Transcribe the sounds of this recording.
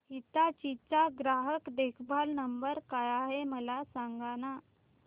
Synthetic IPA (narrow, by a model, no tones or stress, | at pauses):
ɦit̪at͡ɕit͡saɡɾaɦəkd̪ekʰbʱalnəmbəɾkajaɦeməlasaŋɡana